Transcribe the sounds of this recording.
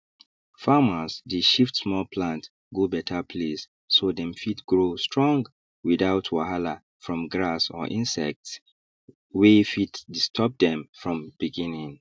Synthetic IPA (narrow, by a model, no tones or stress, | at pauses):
famasdeʃiftsmɔlpʰlãnt | ɡobɛtʰapʰlesː | odɛ̃mfitɡɹostɹɔ̃ŋɡ | widaʊtʰwahala | fɹɔ̃mɡɹasɔ̰ʔĩnsɛk̚ts | wefitdistʰɔp̚dɛ̃mfɹɔ̃mb̥iɡĩnĩŋ